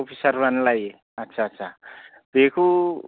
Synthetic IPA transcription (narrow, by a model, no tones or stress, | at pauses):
opʰisʌrbanlaj | ʌtːsʰaːtːsʰa | bʱekʰu